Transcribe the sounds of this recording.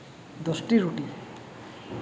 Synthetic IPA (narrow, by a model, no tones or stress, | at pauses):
d̪ɔsʈiɾuʈi